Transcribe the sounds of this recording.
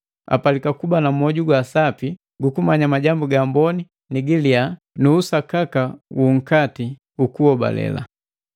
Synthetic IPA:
a̰palikakubanam̩ɔɟuɡwasapi | ɡukumaɲamaɟambuɡambɔni | niɡilia | nuːsakakawuŋ̩kati | ukuɔba̰lɛ̰la̰

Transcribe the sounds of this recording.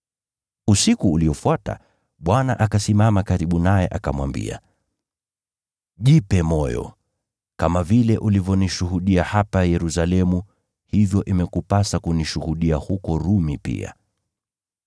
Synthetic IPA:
usikuːliɔfuata̰ | ɓwanaʔakasimamakaɾiɓunajɛʔakamwa̰mbḭa̰ | ʄipɛmɔjɔ̰ | kamavilɛʔulivjɔniʃuhuɗiahapajɛɾusalɛmu | hivjɔʔimɛkupasakuniʃuhuɗiahukɔɾumipḭa̰

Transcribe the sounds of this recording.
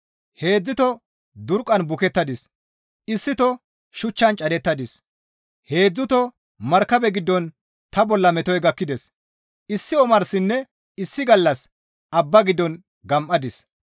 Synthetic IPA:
he̞ːd͡zːɪt̪ɔ | d̪ʊɾkʼːɐnbʊkɛt̪ːɐd̪ɪs | ɪsːɪt̪ɔ | ʃʊt͡ʃːɐnt͡ʃʼɐd̪ɛt̪ːɐd̪ɪs | he̞ːd͡zːʊt̪ɔ | mɐɾkːɐbɛɡɪd̪ːɔn | t̪ɐbɔlːɐmɛt̪ɔjɡɐkːɪd̪ɛs | ɪsːɪɔmɐɾsɪnːɛ | ɪsːɪɡɐlːɐs | ʔɐbːɐɡɪd̪ːɔn | ɡɐmʔːɐd̪ɪs

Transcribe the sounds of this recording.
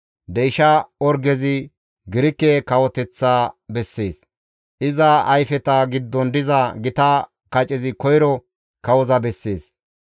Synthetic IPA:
d̪ɛjʃɐɔɾɡɛzɪ | ɡɪɾɪkːɛkɐwɔt̪ɛt͡sːaːbɛsːe̞ːs | ʔɪzɐɐjfɛt̪ɐɡɪd̪ːɔnd̪ɪzɐɡɪt̪ɐ | kɐt͡ʃʼɪzɪkɔjɾɔ | kɐwɔzɐbɛsːe̞ːs

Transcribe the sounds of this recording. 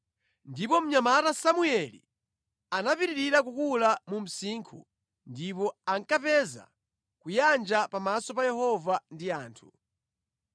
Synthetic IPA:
ndipɔm̩ɲamatasamuɛlḭ | anapiɾiɾiɾakukulamum̩siːŋkʰṵ | ndipɔaŋkapɛza̰ | kujand͡ʒapamasɔpajɛhɔvandiaːntʰu

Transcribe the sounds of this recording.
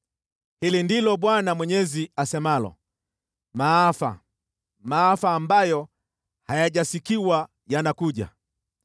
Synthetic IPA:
hilindilɔɓwanamwɛɲɛziasɛmalɔ̰ | maːfa̰ | maːfaːmbajɔ | hajaʄasikiwa | janakuʄa̰

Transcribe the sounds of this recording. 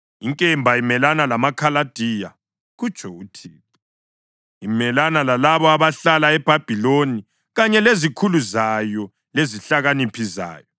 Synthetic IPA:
iŋkʼɛmbʱaimɛlanalamakʰalad̥ʱija̰ | ɣut͡ʃʰʼɔutʰiːǁi | imɛlanalalaβɔaβaɬalaɛb̥ʱab̥ʱiloni | ɣaɲɛlezikʰuluzajɔ | leziɬaɣanipʰiza̰ːjɔ

